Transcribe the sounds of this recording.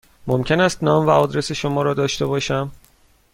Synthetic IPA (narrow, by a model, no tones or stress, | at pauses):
momcʰe̞næst̪nɒːmvæɒːd̪ɾe̞seʃomɒːɾɒːd̪ɒːʃt̪e̞βɒːʃæm